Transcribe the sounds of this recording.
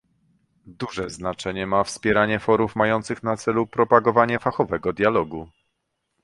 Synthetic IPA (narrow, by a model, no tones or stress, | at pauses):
d̪uʐɛznat͡ʂɛɲɛmafspʲjɛɾaɲɛfɔɾufmajɔnt̪sɘxnat̪sɛlupɾɔpaɡɔvaɲɛfaxɔvɛɡɔd̪ʲjalɔɡu